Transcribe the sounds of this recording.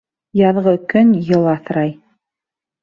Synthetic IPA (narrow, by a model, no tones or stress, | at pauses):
jɑðʁɤkɵnjɤlˠɑθɾɑj